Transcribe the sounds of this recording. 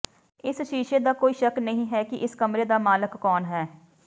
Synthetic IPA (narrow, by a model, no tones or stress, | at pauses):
ɪsʃiːʃeːd̪aːkoːiːʃəknəɦĩːɦɛːkɪʔɪskəmɾeːd̪aːmaːləkːɔːnɦɛː